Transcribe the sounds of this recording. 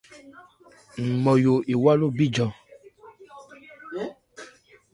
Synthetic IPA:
m̩˨mɔ˨jo˨ʔe˨wa˦lo˦bi˦d͡ʒɔ̃˨

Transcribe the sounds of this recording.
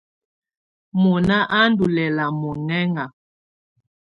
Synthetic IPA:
mɔ˨na˦ʔa˦n˦du˨lɛ˨la˨mɔ˨ŋɛ˦ŋa˨

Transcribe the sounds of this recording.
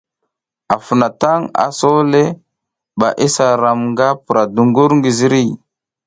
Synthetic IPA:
a˨fu˨na˨ta˦ŋa̰˨so˦le˦ | ɓa̰˨ʔi˦sa˨ɾa˨mŋɡa˦pu˨ɾa˨du˨ŋɡu˦ɾŋɡi˨zi˦ɾi˦˨

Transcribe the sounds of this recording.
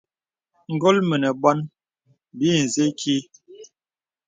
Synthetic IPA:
ŋ̩˨ɡɔ˦lmə˨nɛ˨bɔ˦n | bi˦˨n̩˨ze˦kʰi˦

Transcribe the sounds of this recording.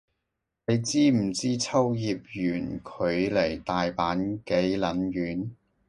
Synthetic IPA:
ne˨˧jt͡siː˥m̩˨˩t͡siː˥t͡sʰɐ˥wjiː˨˧p̚jyː˨˩nkʰɵ˨˧˥ɥle˨˩jt̪aː˨jpaː˨˥nke˨˥jlɐ˨˥njyː˨˥n

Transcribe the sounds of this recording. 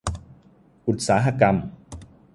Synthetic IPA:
ʔu˨˩t̪̚saː˩˦ɦa˧ka˧m

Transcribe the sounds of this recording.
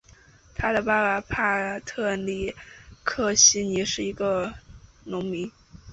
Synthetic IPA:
t̪ʰa˥d̪ə˨pa˥la˧˩pʰa˥˩t̪ʰɤ˥˩li˥˩kʰɤ˥˩ɕi˥ni˧˥ʂɻ̩˥˩i˧˥ɡə˧nʊ˧˥ŋmi˧˥ŋ

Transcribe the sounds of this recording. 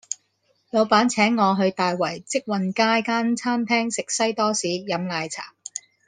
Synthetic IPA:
jɐ˨˧wpaː˨˥nt͡sʰɛː˨˥ŋːɔː˨˧ɦɵ˧ɥt̪aː˨jwɐ˨˩jt͡sɪ˥k̚wɐ˨nkaː˥jkaː˥nt͡sʰaː˥mt̪ʰɛː˥ŋsɪ˨k̚sɐ˥jt̪ɔː˥siː˨˥jɐ˨˧mlaː˨˧jt͡sʰa̰ː˨˩p̚

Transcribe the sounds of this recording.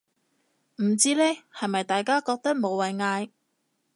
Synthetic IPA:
m̩˨˩t͡siː˥lɛː˥hɐ˨jmɐ˨jt̪aː˨jkaː˥kɔː˧k̚t̪ɐ˥k̚mo˨˧wɐ˨˩jŋaː˧j

